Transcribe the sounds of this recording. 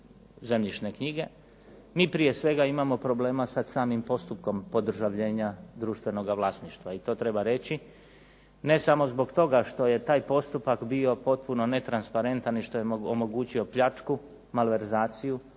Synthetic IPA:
ze̞mʎit͡ʃne̞kɲiɡe̞ | miːpɾije̞sʋe̞ɡaimamo̞pɾo̞ble̞ːmasad̪saːmimpo̞st̪upko̞mpo̞d̪r̩ʒaʋʎe̞ːɲad̪ɾuːʃt̪ʋe̞no̞ɡaʋlˠaːsniʃt̪ʋait̪o̞ːt̪ɾe̞baɾe̞t͡ɕi | ne̞samo̞zbo̞ɡt̪o̞ɡaʃt̪o̞je̞t̪aːjpo̞st̪upakbio̞po̞t̪̚puno̞ne̞t̪ɾanspaɾe̞nt̪aniʃt̪o̞jeomo̞ɡuːt͡ɕio̞pʎat͡ʃku | malʋe̞ɾzaːt̪siju

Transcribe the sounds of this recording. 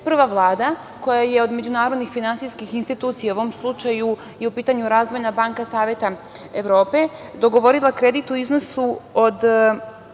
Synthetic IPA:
pr̩ʋaʋlˠaːd̪a | ko̞jajeo̞d̪me̞d͡ʑunaːɾo̞d̪nixfinansijskixinst̪it̪uːt̪sijauomslˠut͡ʃaju | iupiːt̪aɲuɾaːzʋo̞jnabaŋkasaːʋje̞t̪a | eʋɾo̞ːpe̞d̪o̞ɡo̞ʋo̞ɾilˠakɾe̞d̪it̪uizno̞suo̞d̪

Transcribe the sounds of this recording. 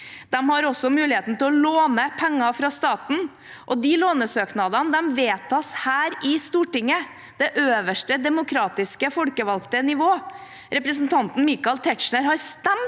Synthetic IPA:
d̪̥ɛmhɑɾɔsɔmʉːlɪheːt̪n̩t̪ʰɪlɔloːnəpʰɛŋːɑfɾɑst̪ɑːt̪n̩ | ʔɔd̪ɪloːnəsøːknɑd̪ɑnd̪ɛmʋeːt̪ʰɑshæːɾɪst̪uːʈɪŋːə | d̪̥ɛʔøːʋəʂʈəd̪ɛmʊkʰɾɑːt̪ɪskəfɔlkəʋɑlkt̪ənɪʋoː | ɾɛpɾəs̬nt̪ʰɑnt̪n̩miːkɑlt̪ʰɛʈʂɳəɾhɑɾst̪ɛmt̪

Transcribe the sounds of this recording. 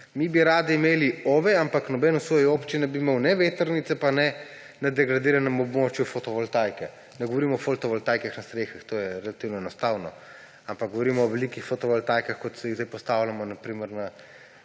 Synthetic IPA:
mibiɾaːd̪iimeːlioːʋɛampaknɔbɛːnɔsʋojioːpt͡ʃinɛbimewnɛʋeːt̪əɾnit̪sɛpanɛ | nɛd̪ɛɡɾad̪iːɾanɛmɔbmoːt͡ʃjufot̪ɔʋɔlt̪aːjkɛ | nɛɡɔʋoɾiːmɔfolt̪ɔʋɔlt̪aːjkaxnast̪ɾeːxixt̪oːjɛɾɛlat̪iwnɔɛnɔst̪aːwnɔ | ampakɡ̚ɡɔʋɔɾimɔːʋɛlikixfot̪ɔʋɔlt̪ajkaxkɔt̪sɛiɣzd̪ɛjpɔst̪aːwlʲjamɔnapɾiːməɾna

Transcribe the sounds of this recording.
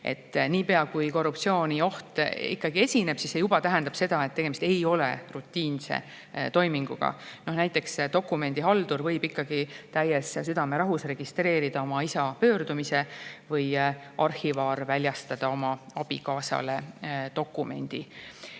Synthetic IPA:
e̞̰t̪ːniːpe̞ɑkujko̞rːup̚t̪sio̞ːnʲio̞ht̪ḭkːɑɡ̥ie̞sʲine̞b̥sisːejubɑt̪æɦend̪ɑpse̞d̪̥ɑet̪t̪ːe̞ɡ̥e̞mist̪e̞jo̞le̞̰rut̪ːiːnsḛ | t̪o̞jmiŋɡ̥uɡ̥ɑ̰no̞hnæjt̪ˑːe̞kst̪o̞kːˑume̞nd̪̥iɦɑld̪̥uɾvɤjbikːɑɡ̥it̪æjessyd̪̥ɑme̞ɾɑɦusre̞ɡ̥ist̪re̞ːɾid̪̥ɑo̞mɑisɑpøːɾd̪umise̞vɤj | ʔɑrhivɑːrvælʲjɑst̪ɑd̪̥ɑo̞mɑɑb̥ḭkɑːsɑ̰let̪o̞kːˑume̞̰nʲd̪̥i

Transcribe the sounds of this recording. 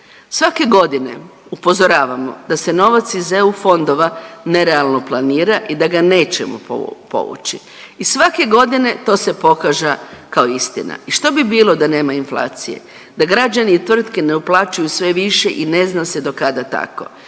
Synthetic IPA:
sʋake̞ɡo̞d̪ine̞̰ | upo̞zoɾaːʋamo̞̰d̪̥ase̞no̞ʋat̪sizeufo̞nd̪o̞ʋane̞ɾealˠno̞plˠaniːɾaʔid̪aɡane̞ːt͡ɕḛmṵpo̰ʋṵt͡ɕḭ | isʋake̞ɡo̞d̪ine̞t̪o̞ːse̞po̞kaʒakaoist̪ḭna̰iʃt̪o̞bibiːlˠo̞d̪ane̞ːmainflˠa̰ːt̪sije̞̰ | d̪aɡɾad͡ʑaniːt̪ʋr̩t̪kene̞uplˠaːt͡ʃujusʋe̞ʋiʃeʔine̞znase̞d̪o̞kad̪at̪a̰ko̞̰

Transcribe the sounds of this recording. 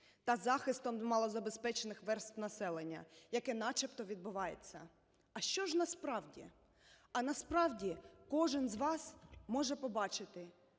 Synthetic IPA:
t̪ɐzɑxɪst̪ɔmmɑlˠɔzɐbespɛt͡ʃenɪxʋɛrst̪nɐsɛlˠenʲːɐ̰jɐkɛnɑt͡ʃɐpt̪ɔʋʲid̪̚bʊʋɑjḛt͡sʲːɐ | ɐʃt͡ʃɔʒnɐspɾɑwdʲi | ɐnɐspɾɑwdʲikɔʒɪnzʋɑsmɔʒɛpɔbɑt͡ʃɪt̪ɪ

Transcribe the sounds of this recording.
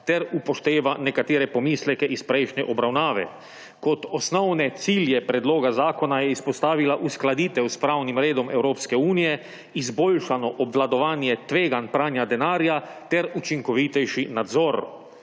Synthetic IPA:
t̪ɛɾupɔʃt̪eːʋanɛkat̪eːɾɛpɔmiːslɛkɛʔispɾɛjʃnɛʔɔbɾawnaːʋɛ̰ | kɔt̪ɔsnɔwnɛt̪siːljɛpɾɛd̪loːɡazaːkɔnajɛispɔst̪aːʋilaʔusklad̪iːt̪ɛwspɾawnimɾeːd̪ɔmɛwɾoːpskɛuːnijɛ | izboːlʃanɔʔɔbʋlad̪ɔʋaːnjɛt̪ʋeːɡanpɾaːnjad̪ɛnaːɾjat̪ɛɾut͡ʃiŋkɔʋit̪ɛjʃinad̪zɔɾ

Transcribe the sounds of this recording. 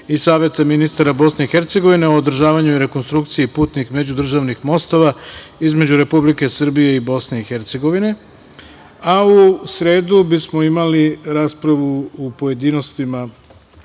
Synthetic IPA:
isaːʋje̞t̪aminist̪aɾabo̞sne̞ixe̞ɾt̪se̞ɡo̞ʋine̞ood̪r̩ʒaːʋaɲuiɾe̞ko̞nst̪ɾukt̪sijipuːt̪nixme̞d͡ʑud̪r̩ʒaʋnixmo̞st̪o̞ʋaizme̞d͡ʑuɾe̞publike̞sr̩bije̞ibo̞sne̞ixe̞ɾt̪se̞ɡo̞ʋine̞ | ausɾe̞ːd̪ubismo̞imaliɾaːspɾaʋuupo̞je̞d̪iːno̞st̪ima

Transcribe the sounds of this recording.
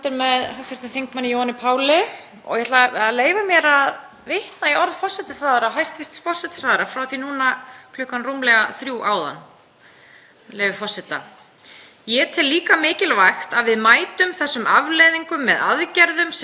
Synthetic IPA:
t̪ɪɾmɛðɦœft̪ɪɾ̥t̪ʏnθiŋkmanːɪjowhanɪpʰaːwlɪ | ɔ̰ɣjɛhat̪laleːjvamjɛɾað | vɪht̪naiɔɾðfɔrsɛt̪ɪsvaːðɾaɦajst̪vɪr̥t̪sfɔr̥sɛt̪ɪ̥svaːðɪɾafɾawθinuːnakʰlʏhkanrumlɛɣaθɾjuːʔaːwða̰nː | lejvʏfɔr̥sɪt̪a | jɛt̪ʰɪlːiːkamɪːcɪlvaxt̪aðvɪðmaːjt̪ʏmθɛsːʏmʔavlɛðiŋkʏmːɛðaðcɛɾðʏms

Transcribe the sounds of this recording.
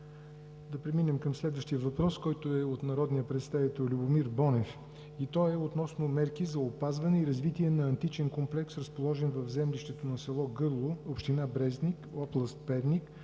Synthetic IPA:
d̪ɐpɾɛminɛmkɐmslɛd̪vəʃt̪ijəvɐpɾɔskɔjt̪oɛot̪nɐɾɔd̪nijəpɾɛt̪st̪avit̪ɛlˠlʲubʊmiɾbɔnɛf | it̪ɔɛot̪nɔsnomɛɾkizɐopazvɐnɛiɾɐzvit̪iɛnɐɐnt̪it͡ʃɛnkomplɛksɾəspolˠɔʒɛnvɐvzɛmlʲiʃt̪ɛt̪onɐsɛlˠɔɡɤɾlˠoopʃt̪inabɾɛznikɔplˠəst̪̚pɛvnik

